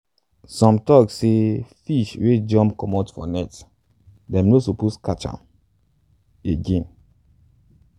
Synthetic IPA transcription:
sɔ̃mtɔksefiʃwed͡ʒɔ̃mpkɔmɔtfɔ̰nɛt | dɛ̃mnosoposkat͡ʃã̰m | eɡẽn

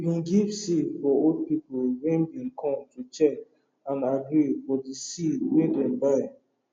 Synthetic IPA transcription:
ivĩnɡivsifɔod̚pipolwɛ̃nbĩnkʰɔ̃mtut͡ʃɛk | ãnaɡɹifɔdisidwedɛ̃nbaɪ

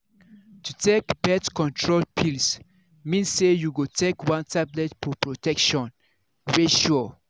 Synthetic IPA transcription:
tutekbɛtkɔ̃ntʰɹolpʰils | mĩnsejuɡotʰekwãntʰablɛtfɔpɹɔtɛkʃɔ̃n | weʃu

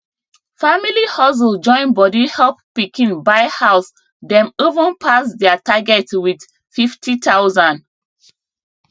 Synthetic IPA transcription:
familihɔs̬ld͡ʒɔ̃ɪ̃nbɔdihɛlp̚pikĩnbaɪhaʊs | dɛ̃movə̃npʰasdɛataɡɛtwid | fiftitʰawzãnd

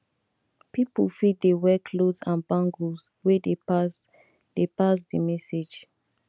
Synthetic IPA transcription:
pipufiddewɛkʰlosãnbãŋɡus | wedes | depas̬dimɛsed͡ʒ

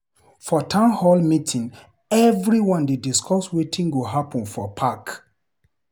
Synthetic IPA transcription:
fɔtʰãnhɔlmitʰĩŋ | ɛvɹiwɔ̃ndediskʰɔswetʰĩŋɡuɦapʰɔ̃nfɔpʰak

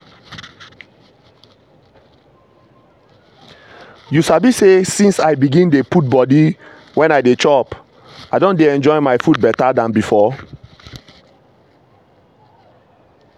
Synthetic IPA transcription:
jusabisesĩnsajbiɡĩndeput̚bɔdi | wɛ̃naɪdet͡ʃɔp | aɪdõndeɛ̃nd͡ʒɔɪmaɪfud̚bɛtadãnbifɔ

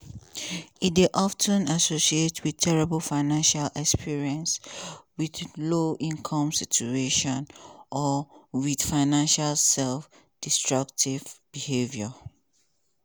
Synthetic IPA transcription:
ideʔɔftʰə̃nasosietʰwidtʰɛɹɛbəlfaɪnãnʃalɛkspʰiɹiɛ̃nswiθloʔĩŋnkʰɔ̃msit͡ʃueʃɔ̃nʔɔwid̥faɪnãnʃalsɛlf | d̥istɹak̚tʰivb̥ihevjɔ

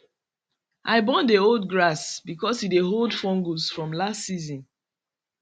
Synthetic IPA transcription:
ʔaɪbɔ̃ndeold̚ɡɹasbikɔshideɦoldfɔ̃ŋɡusfɹɔ̃mlastsizɔ̃n

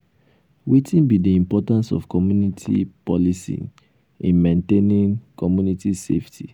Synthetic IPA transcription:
witʰĩnbidiĩmpɔtãnsɔ̰fkɔmjunitʰḭpɔlisḭ | ĩnmẽntenĩŋkɔmjunitisḛftʰi

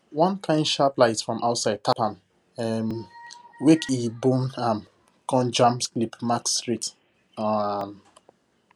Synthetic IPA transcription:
wɔ̃nkʰãɪ̃ndʃaplaɪtfɹɔ̃mʔaʊtsaɪd̚tʰapãn | ɛm | wekʰibõnam | kɔ̃nd͡ʒãmsklipmakstɹit | m

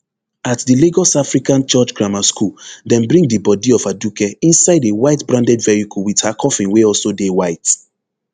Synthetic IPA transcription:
atdileɡɔsafɹikãnt͡ʃɔt͡ʃɡɹamaskuldɛ̃nbɹĩŋdɨbɔdiɔvadukɛĩnsaɪdewaɪtbɹãndɛdvɛɹikulwithakʰɔfĩnweɔlsodewaɪt

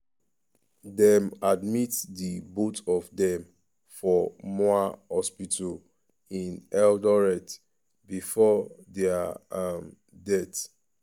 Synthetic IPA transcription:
dɛmadmitdibotɔvdɛ̃m | fɔmɔahɔspitʰɔl | ĩnɛldɔɹɛt | bifɔdɛaam | dɛt

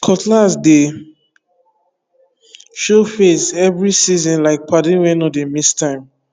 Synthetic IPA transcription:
kʰɔtlasde | ʃofesɛvɹisizɔ̃nlaɪk̚padĩwɛ̃nɔdemistʰãɪ̃m

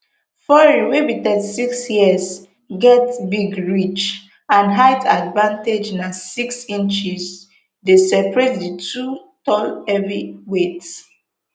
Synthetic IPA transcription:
fɔɹihibitɛdsiksjiəs | ɡɛtbiɡɹit͡ʃ | ãnɦaɪtʰadvãnted͡ʒnasiksĩnt͡ʃiz | desɛpɹɛtditʰutɔlɛviwets

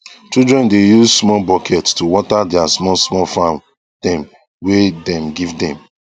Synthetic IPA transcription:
t͡ʃidɹɛ̃ndejuzsmɔbɔkʰɛttuwɔtadɪasmɔsmɔfãn | d̥ɛ̃m | wedɛ̃mɡivdɛ̃m

